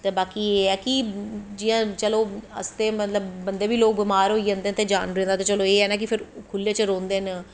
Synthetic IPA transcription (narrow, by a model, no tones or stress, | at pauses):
t̪eːbaːkiːeːɛːkɪd͡ʒɪjãːt͡ʃəloːə̰st̪eːmət̪ləbːənd̪eːʋiːloːk̚bɪmaːɾɦoːiːd͡ʒãːnd̪eːnt̪eːd͡ʒaːnɾɛ̃ːnd̪aːt̪eːt͡ʃəloːeːɛːnãːk̬ɪpʰɪɾkʰʊlːẽːt͡ʃəɾõːnd̪eːn